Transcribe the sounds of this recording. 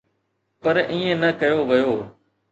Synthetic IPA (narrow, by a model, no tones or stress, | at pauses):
pəɾĩːẽːnəkəjoːʋɪjoː